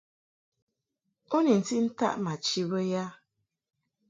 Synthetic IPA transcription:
o˦ni˨n̩˨ti˦n̩˦ta̰˦ʔma˨t͡ʃi˦wo˦ja˦

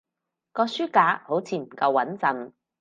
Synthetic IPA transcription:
kɔː˧syː˥kaː˨˥ho˨˥wt͡sʰiː˧m̩˨˩kɐ˧wːɐ˨˥nt͡sɐ˨˧n

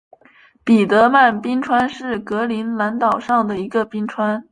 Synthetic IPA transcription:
pi˨˩t̪ɤ˧˥ma˥˩npi˥ŋʈ͡ʂʰwa˥nʂɻ̩˥˩kɤ˧˥li˧˥nla˧˥nt̪ɑ˨˩ʊʂɑ˥˩ŋd̪ə˩i˧˥ɡə˧pi˥ŋʈ͡ʂʰwa˥n

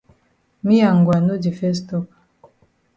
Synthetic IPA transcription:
mi˦ja˨ŋɡwa˨nu˦d͡ʒi˨fɛ˦stɔ˦kḁ˨

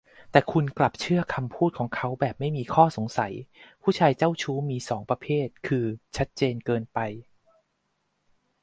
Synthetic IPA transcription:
t̪ɛː˨˩kʰu˧nkla˨˩p̚t͡ɕʰɯ˥˩ɐkʰa˧mpʰuː˥˩t̪̚kʰɔː˩˦ŋkʰa˦˥wbɛː˨˩p̚ma˥˩jmiː˧kʰɔː˥˩so˩˦ŋsa˩˦jpʰuː˥˩t͡ɕʰaː˧jt͡ɕa˥˩wt͡ɕʰuː˦˥miː˧sɔː˩˦ŋpɾa˧pʰeː˥˩t̪̚kʰɯː˧t͡ɕʰa˦˥t̪̚t͡ɕeː˧nkɤː˧npa˧j

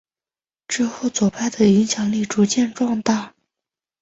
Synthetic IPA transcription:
ʈ͡ʂɻ̩˥˧xo˥˩ʊt͡swɔ˨˩pʰa˥˩ɪd̪ə˩i˧˥ŋɕjɑ˨˩ŋli˥˩ʈ͡ʂu˧˥t͡ɕjɛ˥˧nʈ͡ʂwɑ˥˧ŋt̪a˥˩

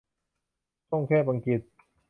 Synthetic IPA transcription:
t̪o˥˩ŋkʰɛː˥˩pa˧ŋki˨˩t̪̚

